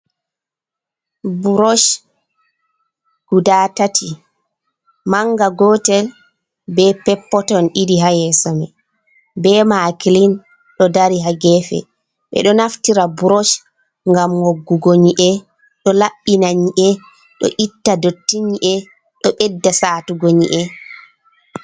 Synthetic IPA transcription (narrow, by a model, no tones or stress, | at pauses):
buɾɔʃ | ɡ̥udaːtatʰi | maŋɡaɡɔtɛl | bɛpɛpːɔtɔnʔidiɦajɛsamɛ | bɛmakilin | ɗɔdaɾiɦaɡɛfɛ̰ | ɓɛ̰ɗɔnaftiɾabuɾoʃ | ŋɡamŋoɡːuɡoɲiʔɛ | ɗɔlaɓːinaɲiʔɛ | ɗɔ̰ʔitːadotːiɲiʔɛ | ɗɔɓɛdːasatuɡoɲiʔɛ